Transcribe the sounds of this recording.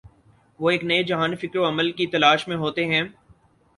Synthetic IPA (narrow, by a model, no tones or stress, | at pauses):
ʋoːeːknɐed͡ʒɐɦaːnfɪkɾoɐməlkit̪ɐlaːʃmẽɦoːt̪eɦɛ̃ː